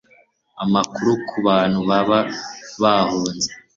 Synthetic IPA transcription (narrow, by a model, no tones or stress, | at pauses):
amakuɾukʰuβaːn̥huβaβaβahoːnze